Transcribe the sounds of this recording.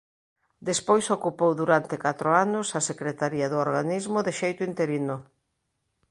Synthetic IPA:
d̪espojsokupowðuɾant̪ɪkat̪ɾoanʊsɐsekɾet̪aɾiɐðooɾɣanizmʊðeʃejt̪ʊint̪eɾinʊ

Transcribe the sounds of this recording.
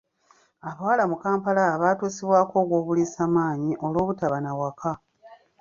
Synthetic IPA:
aβawalamukaːmpalaβaːtuːsiβwaːko̞ːɡwo̞ːβuliːsaːmaːɲiʔo̞lwo̞ːβutaβanawaka

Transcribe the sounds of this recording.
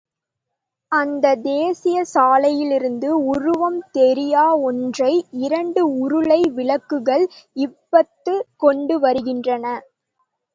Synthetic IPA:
ɐnd̪ɐd̪eːsɪjɐsaːlɐjɪlɪɾɯnd̪ɯʊɾʊʋɐmt̪ɛɾɪjaːɔndrɐɪɪɾɐɳɖɯʊɾʊɭɐɪʋɪɭɐkːɯɣɐɭɪpːɐt̪ːɯkɔɳɖɯʋɐɾɯɣɪndrɐnɐ

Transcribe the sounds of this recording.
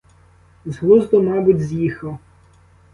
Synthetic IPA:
zɦlˠuzd̪ɔmɑbʊtʲzʲjixˠɔ

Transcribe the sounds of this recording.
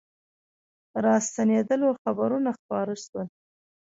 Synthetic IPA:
ɾɑst̪aned̪əloxabaɾunaxpɑɾəʃwəl

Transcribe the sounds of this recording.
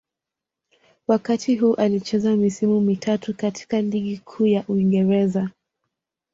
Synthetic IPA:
wakatʰiɦuːʔalit͡ʃɛzamisimumitʰatukatʰi̥kaliɠikʰuːjaʔuiŋɡɛɾɛza

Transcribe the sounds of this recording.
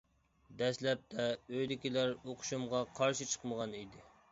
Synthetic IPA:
d̪ɛslɛp̚t̪ʰɛøjd̪ɪkʲilæɾoqʰʊ̥ʃumʁɑqʰɑɾʃit͡ʃʰə̥qməʁɑnid̪ɪ

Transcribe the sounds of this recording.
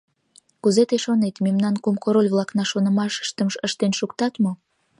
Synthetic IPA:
kuzet̪eʃonet̪memnɑnkumkoɾolʲβlˠɑknɑʃonə̆mɑʃə̥ʃt̪əmʃəʃt̪enʃukt̪ɑt̪mo

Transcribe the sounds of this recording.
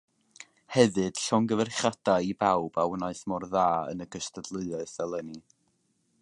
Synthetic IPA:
hɛðɨd̥ɬɔŋɡəvɛrχadaibawbawənaɨsmɔrðaːə̰nəɡəstədlˠɨɨɨɨsɛlˠəni

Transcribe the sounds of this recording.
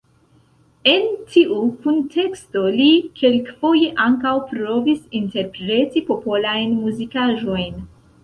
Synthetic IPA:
e̞ntʰiʔukuntʰe̞ksto̞likʰe̞lkfo̞je̞ʔaŋkawpɾo̞visinte̞ɾpɾe̞tipo̞po̞lajnmuzikaʒo̞jn

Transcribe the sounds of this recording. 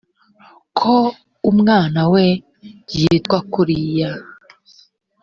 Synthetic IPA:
kʰo | umŋaːnawe | jitɡwakuɾija

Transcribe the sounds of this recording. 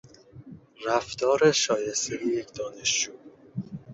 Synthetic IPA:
ræft̪ɒːɾeʃɒːjest̪ʰejejecʰd̪ɒːne̞ʃd͡ʒuː

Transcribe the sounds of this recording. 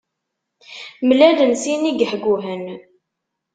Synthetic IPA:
mlælənsiniɡħɡuɦən

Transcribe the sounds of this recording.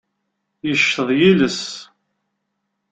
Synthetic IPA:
jəʃtəðˤjiləs

